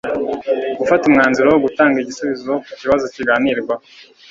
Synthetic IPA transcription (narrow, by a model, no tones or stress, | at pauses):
ɡufatumŋaːnziɾowoɡutaːŋɡiɟisuβizokuciβazo̞ciɡaːniɾɡwa